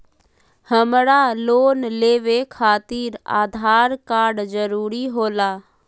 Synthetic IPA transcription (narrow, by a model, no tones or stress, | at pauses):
həmɾaloːnleːʋekʰaːt̪iːɾa̰ːd̪ʱaːɾkaːɾɖd͡ʒəɾuːɾiɦoːlaː